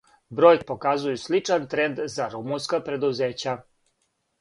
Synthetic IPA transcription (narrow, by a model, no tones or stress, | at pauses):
bɾo̞jk̚pokazujuslit͡ʂant̪ɾe̞nd̪zaɾumunskapɾe̞d̪uzeːt͡ɕa